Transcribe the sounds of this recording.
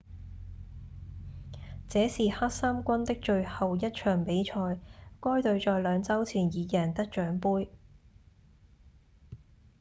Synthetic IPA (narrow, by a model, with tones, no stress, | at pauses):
t͡sɛː˨˥siː˨haː˥t̚saː˥mkʷɐ˥nt̪ɪ˥k̚t͡ʃɵ˧ɥhɐ˨wjɐ˥t̚t͡ʃʰœː˨˩ŋpe˨˥jt͡ʃʰɔː˧jkɔː˥jt̪ɵ˧ɥt͡ʃɔː˨jlœː˨˧ŋt͡sɐ˥wt͡sʰiː˨˩njiː˨˧jɛː˨˩nt̪ɐ˥k̚t͡ʃœː˨˥ŋpuː˥j